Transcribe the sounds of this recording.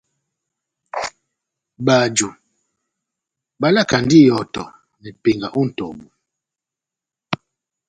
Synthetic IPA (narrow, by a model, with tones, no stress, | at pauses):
ba˨d͡ʒo˨ | ba˦la˦˨ka˨n˨di˦˨jɔ˨tɔ̰˨ | nɛ˨pe˨ŋɡa˨ʔu˦n̩˨tɔ˨bu˨